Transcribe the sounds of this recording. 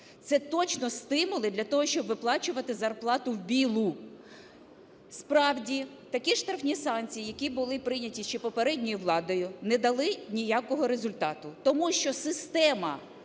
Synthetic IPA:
t̪sɛt̪ɔt͡ʃnɔst̪ɪmʊlˠɪd̪lʲɐt̪ɔɦɔʃt͡ʃɔbʋɪplˠɑt͡ʃʊʋɐt̪ɪzɐrplˠɑt̪ʊwbʲilˠʊ | spɾɑwdʲi | t̪ɐkʲiʃt̪ɾɐfnʲisɑnt͡sʲijijɐkʲibʊlˠɪpɾɪnʲɐtʲiʃt͡ʃɛpɔpeɾɛdʲnʲijiʋlˠɑd̪ɔjʊnɛd̪ɐlˠɪnʲijakɔɦɔɾezʊlʲt̪ɑt̪ʊt̪ɔmuʃt͡ʃɔsɪst̪ɛmɐ

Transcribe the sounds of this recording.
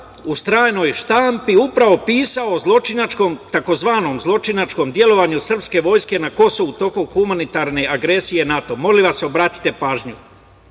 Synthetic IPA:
ust̪ɾaːjno̞jʃt̪aːmpiupɾaʋo̞piːsaozlˠo̞t͡ʃinat͡ʃko̞mt̪ako̞zʋaːno̞mzlˠo̞t͡ʃinat͡ʃko̞md̪je̞lo̞ʋaɲusr̩pske̞ʋo̞ːjske̞nako̞so̞ʋut̪o̞koxumanit̪aɾne̞ʔaɡɾe̞sije̞nat̪o̞mo̞liʋaseo̞bɾaːt̪i̥t̪e̞paːʒɲu

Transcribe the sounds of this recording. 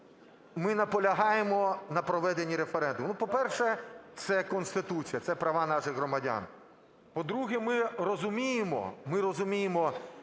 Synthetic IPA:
mɪnɐpɔlʲɐɦɑjemɔnɐpɾɔʋɛd̪enʲːiɾefeɾɛnd̪ʊmnupɔpɛrʃɛt̪sɛkɔnst̪ɪt̪ut͡sʲijɐt̪sɛpɾɐʋɑnɑʃɪɣɦɾɔmɐdʲa̰n | pɔd̪ɾuɦɛmɪɾɔzʊmʲijemɔ̰mɪɾɔzʊmʲijemɔ

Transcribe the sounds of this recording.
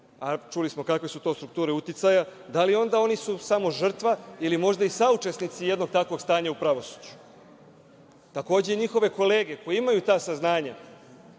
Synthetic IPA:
at͡ʃulismo̞kakʋe̞sut̪o̞st̪ɾuk̚t̪uːɾe̞ut̪it̪sajad̪alio̞nd̪ao̞nisusamo̞ʒr̩t̪ʋailimo̞ʒd̪aisaut͡ʃe̞snit̪sije̞d̪no̞ɡ̚t̪akʋo̞ɡst̪aːɲaupɾaʋo̞su̥d͡ʑu̥ | t̪ako̞ːd͡ʑeiɲixo̞ʋe̞ko̞le̞ːɡeko̞jeimajut̪aːsaznaːɲa

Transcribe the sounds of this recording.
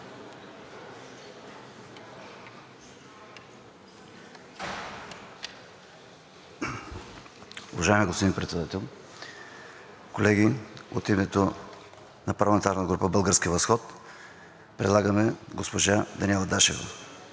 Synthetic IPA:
uvɐʒaɛmiɡospod̪inpɾɛt̪sɛd̪at̪ɛlˠ | kolɛɡio̰t̪imɛt̪o | nɐpɐɾlˠmɛnt̪aɾnt̪ɡɾupəbəlˠɡəɾskʲivɐsxɔt̪ | pɾɛd̪lˠaɡəmɛɡospoʒad̪ɐniɛlˠɐd̪aʃɛvə̰

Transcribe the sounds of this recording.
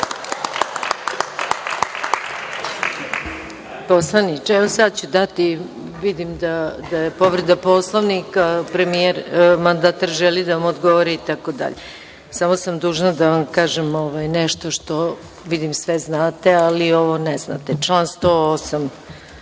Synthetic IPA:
poslˠanit͡ʃɛʋosad̪̚t͡ɕud̪at̪i | ʋid̪imd̪ad̪ajepo̞ʋɾed̪aposlˠoʋnikapɾemijeɾmand̪aːt̪aɾʒelid̪aʋamod̪ɡoʋoɾiːt̪akod̪a̰ʎe | samo̞samd̪uːʒnad̪aʋamkaːʒemoʋajnɛʃt̪o̞ʃt̪o̞ | ʋid̪imsʋeznaːt̪e̞alio̞ʋo̞nɛzna̰t̪et͡ʂlˠaːnst̪oosam

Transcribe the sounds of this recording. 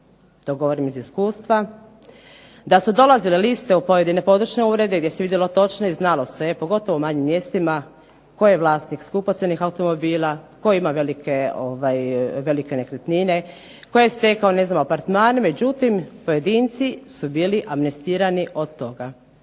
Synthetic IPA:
t̪oɡo̞ʋoɾimiziskuːst̪ʋa | d̪asud̪o̞lazilelist̪eupo̞je̞d̪ine̞po̞d̪ɾut͡ʃne̞uːɾe̞d̪eɡd̪je̞seid̪jelot̪o̞t͡ʃnoiznalo̞sepo̞ɡo̞t̪o̞ʋoumaɲimːje̞ːst̪ima | ko̞jjeʋlaːsnikskupot̪sjenixawt̪o̞mo̞biːlako̞jimaʋe̞likeoʋajʋe̞like̞nekɾet̪nine̞ | ko̞jejest̪ekaone̞znamoapaɾt̪maːneme̞d͡ʑut̪impo̞je̞d̪iːnt̪sisubiːliʔamnest̪iːɾaniʔo̞d̪̚t̪ːo̞ɡa

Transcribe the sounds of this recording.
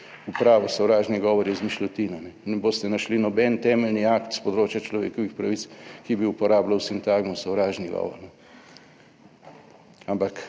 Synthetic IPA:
upɾaːʋɔsɔwɾaːʒniɡɔːʋɔɾjɛzmiʃlʲɔt̪iːnɔnɛnɛboːst̪ɛnaʃlinɔbɛnt̪ɛːmɛlniaːkt̪spɔd̪ɾoːt͡ʃjat͡ʃlɔʋḛːkɔʋixpɾaʋitskiɛbiupɔɾaːblawsint̪aːɡmɔwsɔwɾaːʒniɡɔ̰ːʋɔ̰ɾnɔ | ampak

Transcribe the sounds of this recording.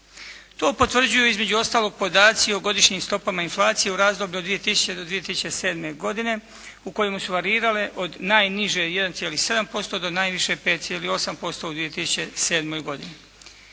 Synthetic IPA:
t̪o̞ːpo̞t̪ʋr̩d͡ʑujuizme̞d͡ʑuo̞st̪aːlo̞ɡ̚po̞d̪aːt̪sioɡo̞d̪iʃɲiːmst̪o̞pamainflˠaːt̪sijeuɾaːzd̪o̞bʎʲud̪ʋije̞t̪isu̥t͡ɕe̞d̪od̪ʋije̞t̪isut͡ɕese̞ːd̪me̞ɡo̞d̪ine̞ | uko̞jemusuʋaɾiːɾaleʔod̪naːjniʒeje̞d̪ant̪jelihse̞d̪ampo̞st̪o̞d̪onaːjʋiʃe̞pe̞ːt̪̚sijeːlio̞sampo̞st̪o̞ud̪ʋije̞t̪isu̥t͡ɕe̞se̞ːd̪mo̞jɡo̞d̪ini

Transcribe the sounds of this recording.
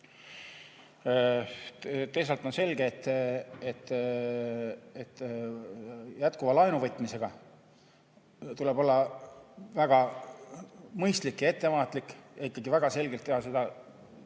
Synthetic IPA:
t̪ejsɑlt̪ːˑo̞nse̞lɡ̥eet̪ːˑet̪ːˑ | et̪ː | jæt̪kuvɑlɑjnuvɤt̪ˑmise̞ɡ̥ɑ | t̪ule̞bo̞lːɑ | væɡ̥ɑ | mɤjst̪likjɑe̞t̪ˑːe̞vɑːt̪ːˑlikːjɑikːɑɡivæɡ̥ɑse̞lɡe̞lt̪ːehɑs̬ed̪̥ɑ

